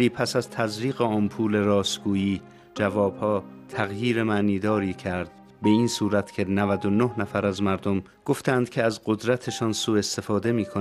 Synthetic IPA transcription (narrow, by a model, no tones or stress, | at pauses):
iːpʰæsæzt̪ʰæzɾiːɣeɒːnpʰuːle̞ɾɒːsɡuːjiː | d͡ʒævɒːb̥hɒːt̪ʰæɣjiːɾe̞mæːniːd̪ɒːɾiːcʰæɾd̪̥ | be̞iːnsuːɾæt̪ʰcʰe̞nævæd̪onohnæfæɾæzmæɾd̪om | ɡ̥o̞ft̪ʰænd̪kʰeæzɢo̞d̪ɾæt̪ʰe̞ʃɒːnsuːe̞st̪e̞fɒːd̪e̞miːkʰo